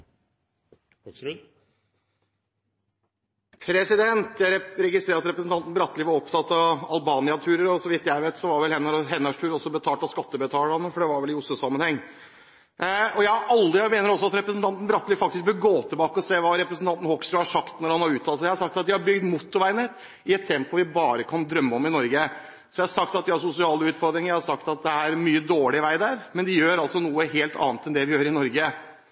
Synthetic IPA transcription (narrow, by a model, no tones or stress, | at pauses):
pʰɾɛsɪd̪ɛnt̪jæɾɛɾɛɡɪst̪ɾeːɾɑt̪ɾɛpɾəsn̩t̪ʰɑnt̪n̩bɾɑt̪ːlɪːʋɑɾɔpt̪ʰɑt̪ːɑʋɑlbɑːnɪɑt̪ʰʉːɾəɾɔsɔʋɪt̪ːjæɪʋeːt̪sɔʋɑɾʋɛlhɛnːəɾɦɛnːɑʂʈʰʉːɾɔsːɔbət̪ʰɑːʈ̪ɑskɑt̪ːəbət̪ʰɑːlɾɑnəfɔɖɛʋɑɾʋɛlɪʊsʊsɑmːənhɛŋː | ɔjæɪɑʔɑld̪ɾɪmeːnəɾɔsːɔɑt̪ɾɛpɾəsnt̪ʰɑnt̪n̩bɾɑt̪ːəlɪfɑk̚t̪ɪsk̚bəɡoːt̪ʰəbɑːkəɔseːʋɑɾɛpɾəsn̩t̪ɑnt̪n̩hɔksɾəhɑʂɑkt̪nɔɾhɑnhɑɾʉːt̪ʰːɑːlsɔjæhɑsɑk̚t̪ɑt̪̚d̪ɪhɑɾbʏɡd̪mʊt̪ːʊʋæɪnet̪ | ɪɛt̪ʰːɛmpɔʋɪbɑːɾəkʰɑnd̪ɾœmːəɔmɪnɔɾɡə | sɔjæɪhɑsɑk̚t̪ɑt̪̚d̪ɪhɑɾsʊsɪɑːləʉːt̪fɔɾd̪ɾɪŋjæɪhɑsɑkt̪ɑt̪̚d̪ɛæɾmyːəd̪oːɭɪʋæɪd̪æɾmɛnd̪ɪjøːɾɑlsɔnuːəɦeːlt̪ʰɑ̰ːnt̪ɛnd̪ɛʋɪjøːɾəɾɪnɔɾɡə